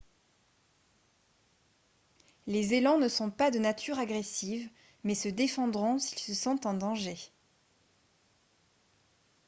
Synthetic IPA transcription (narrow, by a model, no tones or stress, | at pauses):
lezelɑ̃nəsɔ̃pad̪ənat̪ʰyʁaɡʁesiv | mɛsəd̪efɑ̃d̪ʁɔ̃silsəsɑ̃t̪ɑ̃d̪ɑ̃ʒe